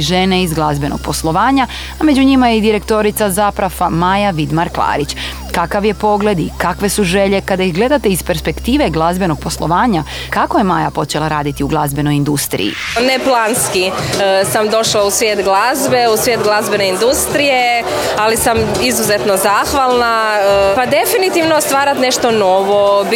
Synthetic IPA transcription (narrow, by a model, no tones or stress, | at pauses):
ʒe̞neizɡlˠazbe̞noɡ̥̚po̞slˠo̞ʋaːɲa | ame̞d͡ʑuɲimajeid̪iɾe̞kt̪o̞ɾit̪sazapɾafamajaʋid̪maɾklˠa̰ːɾit͡ɕ | kakaʋje̞po̞ɡle̞d̪ikakʋe̞suʒeʎe̞kad̪aiɦɡle̞d̪at̪eispe̞ɾspe̞kt̪iːʋe̞ɡlˠazbe̞no̞ɡ̥̚po̞slo̞ʋaːɲa | kako̞je̞maːjapo̞t͡ʃe̞lˠaɾaːd̪it̪iuɡlˠazbe̞no̞jind̪ust̪ɾḭḭneplˠaːnskisamd̪o̞ʃlausʋjeːt̪ɡlˠazbeusʋʲjet̪ɡlˠazbeneind̪ust̪ɾije | alisam | izuzet̪nozaːxʋalˠnaəpad̪e̞finit̪iʋnost̪ʋaːɾat̪neʃt̪onoʋob